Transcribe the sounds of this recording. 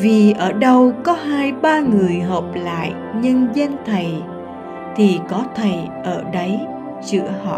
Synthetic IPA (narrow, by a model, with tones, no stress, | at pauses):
vi˨˩ʔəː˧˩ɗə˧wkɔ˨˦haː˧jɓaː˧ŋɨ˨˩əjɦə˨˩p̚la̰ː˧˨j | ɲɨ˧ŋzɛ˧nt̪ʰə˨˩j | t̪ʰi˨˩kɔ˨˦t̪ʰə˨˩jʔəː˧˩ɗə˨˦j | t͡ɕɨ̰˧˥əhɔ̰˧˨